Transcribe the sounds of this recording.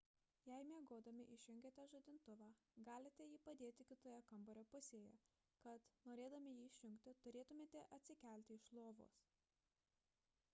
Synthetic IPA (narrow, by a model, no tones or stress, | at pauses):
jɛɪmʲeːɡoːd̪ɐmʲɪʔɪʃʲʊŋʲɡʲɛt̪ʲɛʒod̪ʲɪnt̪ʊʋɑːɡɑːlʲɪt̪ʲɛjiːpɐd̪ʲeːt̪ʲɪkʲɪt̪oːjɛkɐmbɔɾʲoːpʊsʲeːjɛ | kɐt̪noːɾʲeːd̪ɐmʲɪjiːɪʃʲjʊŋʲkt̪ʲɪt̪ʊɾʲeːt̪ʊmʲeːt̪ʲɛʔɐt̪ʲsʲɪkʲæˑlʲt̪ʲɪɪʃlˠoːʋo̰ːs